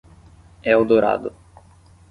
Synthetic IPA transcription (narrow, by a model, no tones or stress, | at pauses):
ɛod̪oɾa̰d̪ʊ